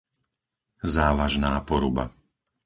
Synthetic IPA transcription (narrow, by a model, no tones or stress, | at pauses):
zaːʋaʒnaːpɔɾuba̰